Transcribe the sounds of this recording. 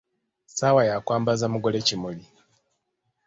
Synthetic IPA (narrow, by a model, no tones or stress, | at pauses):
sawajakwaːmbazamuɡo̞le̞cimuli